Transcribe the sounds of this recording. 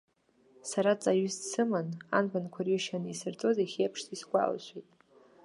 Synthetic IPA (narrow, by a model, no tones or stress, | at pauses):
saɾat͡sʼaɥʏssɨmana̰npankʷʰarjiʃanɨisɨrt͡sʼozajχʲejpʰʂtisɡʷa̰lʃʷejtʼ